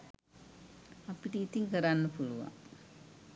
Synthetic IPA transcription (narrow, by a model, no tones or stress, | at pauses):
ɐpːiʈiːt̪ːiŋkɐɾaːnːɨpuɻuʋa̰